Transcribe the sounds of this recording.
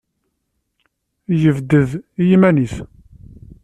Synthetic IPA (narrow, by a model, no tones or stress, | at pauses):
jəvd̪əðijimæniθ